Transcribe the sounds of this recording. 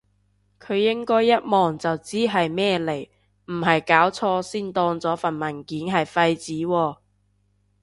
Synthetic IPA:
kʰɵ˨˧ɥjɪ˥ŋkɔː˥jːɐ˥t̚mɔː˨ŋt͡sɐ˨wt͡siː˥ɦɐ˨jmɛː˥le˨˩j | m̩˨˩ɦɐ˨jkaː˨˥wt͡sʰɔː˧siː˥nt̪ɔː˧ŋt͡sɔː˨˥fɐ˨˩nmɐ˨˩nkiː˨˥nɦɐ˨jfɐ˧jt͡siː˨˥wɔː˧

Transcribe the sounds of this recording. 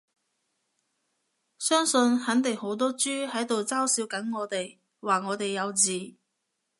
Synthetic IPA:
sœː˥ŋsɵ˧nhɐ˨˥nt̪ɪ˨ŋho˨˥wt̪̬ɔː˥t͡ʃyː˥hɐ˨˥jt̪o˨wt͡saː˥wsiː˨˥wkɐ˨˥nŋɔː˨˧t̪e˨j | waː˨˩ŋɔː˨˧t̪e˨jːɐ˨˧wt͡siː˨˩

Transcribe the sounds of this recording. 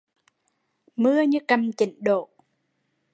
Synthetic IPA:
mɨ˧əɲɨ˧˦kə˧mt͡ɕḭ˧˩ŋɗo̰˧˨

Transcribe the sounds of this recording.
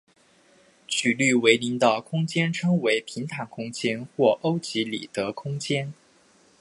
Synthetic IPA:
t͡ɕʰy˨˩ly˥˩we˧˥ɪli˧˥ŋt̪ɑ˨˩ʊkʰʊ˥ŋt͡ɕjɛ˥nʈ͡ʂʰɤ˥ŋwe˧˥ɪpʰi˧˥ŋt̪ʰa˧˥nkʰʊ˥ŋt͡ɕjɛ˥nxwɔ˥˩ʔo˥ʊt͡ɕi˧˥lḭ˨˩t̪ɤ˧˥kʰʊ˥ŋt͡ɕjɛ˥n

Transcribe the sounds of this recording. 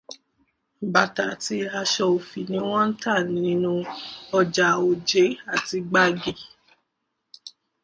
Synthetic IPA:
ba˨ta˨ti˧a˧ʃɔ˧o˨fi˨nĩ˧˦w̃ɔ̃˦n̩˦ta˦˨nĩ˨˦nũ˧ɔ˧d͡ʒa˨o˨d͡ʒe˨˦a˨ti˧ɡ͡ba˦ɡi˨

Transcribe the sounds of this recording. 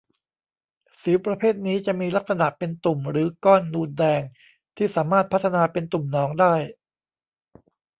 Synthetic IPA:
siː˩˦pɾa˧pʰeː˥˩t̪̚niː˦˥t͡ɕa˨˩ʔmiː˧la˦˥k̚sa˧na˨˩ʔpe˧nt̪u˨˩mɾɯː˩˦kɔː˥˩nːuː˧ndɛː˧ŋ | t̪ʰiː˥˩saː˩˦maː˥˩t̪̚pʰa˦˥t̪ʰːa˧naː˧pe˧nt̪u˨˩mnɔː˩˦ŋdaː˥˩j

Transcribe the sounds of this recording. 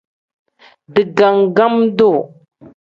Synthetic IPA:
də˨ɡa˨ŋɡa˦mdo˦˨

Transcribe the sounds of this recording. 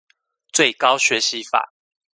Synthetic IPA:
t͡swe˥˨ɪkɑ˦ʊɕɥɛ˨˦ɕi˨˦fa̰˨˩˦

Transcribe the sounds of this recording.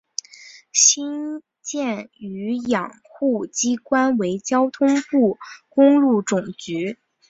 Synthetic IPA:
ɕi˥n | t͡ɕjɛ˥˩ny˧˥jɑ˨˩ŋxu˥˩t͡ɕi˥kwa˥nwe˧˥ɪt͡ɕjɑ˥ʊt̪ʰʊ˥ŋpu˥˩kʊ˥ŋlu˥˩ʈ͡ʂʊ˨˩ŋt͡ɕy˧˥

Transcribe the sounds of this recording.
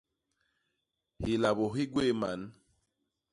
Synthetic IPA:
hi˨la˨βo˨ɦi˦ɡwe˦˨ma̰˨˦n

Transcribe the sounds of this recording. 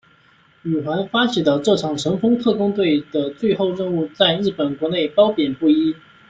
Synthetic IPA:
y˨˩xwa˧˥nfa˥t͡ɕʰi˨˩d̪ə˧ʈ͡ʂɤ˥˩ʈ͡ʂʰɑ˨˩ŋʂɤ˧˥ŋfɤ˥ŋt̪ʰɤ˥˩kʊ˥ŋt̪̬we˥˩ɪd̪̥ə˩t͡swe˥˧ɪxo˥˧ʊɻə˥˧ŋu˥˧t͡sa˥˧ɪɻɻ̩˥˩pə˨˩nkwɔ˧˥ne˥˩ɪpɑ˥ʊpjɛ˨˩npu˥˩i˥

